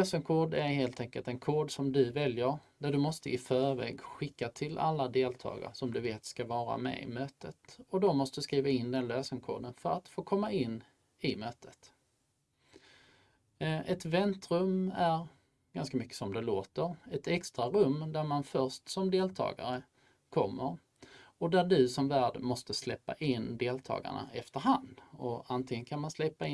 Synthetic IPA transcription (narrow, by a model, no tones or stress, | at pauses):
løːsəŋkʰoːɖæɾheːlt̪ʰɛŋkəlt̪ɛnkʰoːɖsɔmd̪ɵvɛljəɾd̪æɖɵmɔst̪əɪfœːɾvɛ̰ːɡɧɪkːat̪ʰɪlʔa̰lːad̪eːlt̪ʰɑ̰ːɡa̰ɾʂɔmd̪ɵveːt̪skavɑːɾa̰mɛ̰ɪ̰møːt̪ʰət̪ɔd̪ɔmɔst̪əd̪skɾiːvaɪnd̪ɛnløːsəŋkʰo̰ːɖənfœɾat̪foːkʰɔmːaɪnː | ɪmøːt̪ʰət̪ | ʔɛt̪vɛnt̪ɾɵmːæɾ | ɡ̥anskamʏkːə̥sɔmd̪ɛloːt̪əɾɛt̪ɛkst̪ɾaɾɵmːd̪æɾmanfœɾʂtsɔmd̪eːlt̪ʰɑ̰ːɡa̰ɾə | kʰɔmːəɾ | ɔd̪æɖɵsɔmvæːɖmɔst̪əslɛpːa̰ʔɪnd̪eːlt̪ʰɑ̰ːɡa̰ɳa̰ʔɛft̪əɾɦand̪ɔant̪ʰlɪɡənkʰanmanslɛpːaɪ